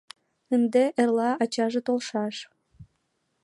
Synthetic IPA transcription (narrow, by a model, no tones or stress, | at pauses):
ənd̪eʔerlɑɑt͡ɕɑʒĕt̪olʃɑʃ